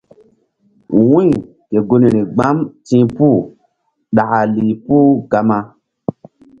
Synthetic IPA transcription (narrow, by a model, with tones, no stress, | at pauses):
wũ˦˨ | ke˨ɡo˦ni˨ɾi˨ɡ͡ba˦mtĩ˦pu˦˨ | ɗa˨a˨li˨puː˦ɡa˧ma˧